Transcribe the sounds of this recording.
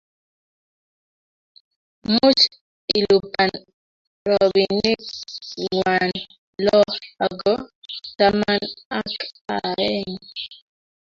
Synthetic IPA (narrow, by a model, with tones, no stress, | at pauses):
mu˦t͡ʃ | i˨lu˨pa˨n | ɾɔ˨bi˨nɪ˦ | ŋwa˨n | lɔ˦ha˨ɡɔ˦ta˦ma˦na˦ka˨ɛ˦ŋ